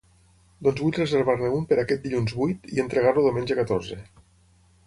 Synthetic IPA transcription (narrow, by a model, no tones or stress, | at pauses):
d̪ɔnzβuʎrezeɾβaɾneumpəɾakɛt̪̚d̪iʎunzβujt̪ient̪ɾeɣaɾluðomend͡ʒekat̪oɾze